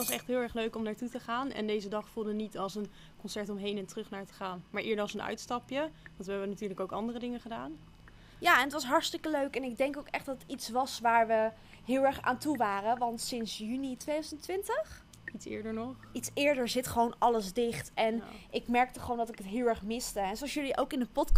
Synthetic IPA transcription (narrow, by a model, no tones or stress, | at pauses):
tʋɑsɛχtɦɪlˠɛɹχløɥkɔmnaːɹtutəχaːnɛ̰ndejzədɑχfulˠdənitɑlˠsən | kɔnsɛɹtɔmɦejnɛntrɵχnaːɹtə̥χaːnmaːɹʔɪːɹdəɹɑsənœ̰ɥtstɑpjəʋɑntʋəɦɛbənatyːɹləkowkɑ̰ndərədɪŋəχədaːn | jaːɛnətʋɑsɦɑɹstɪkəløɥkɛnɪɡ̚dɛŋkowkɛχd̥ɑtətitsʋɑsʋaːɹʋə | ɦɪːlˠɛɹχa̰ːntuʋaːrəʋɑntsɪnsjynitʋejdœzəntʋɪntəχ | itsɪ̰ːɹdəɹnɔχitsɪːɹdəɹzɪtχəʋownɑləzdɪχtʔɛnʔɪkmɛɹk̚təχəʋowndɑtɪkətɦɪːlˠɛɹχmɪstəɛnsoɑsjɵliʔowkɪndəpɔt